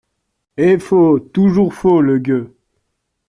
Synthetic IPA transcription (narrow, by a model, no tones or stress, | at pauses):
efot̪uʒuʁfoləɡʲø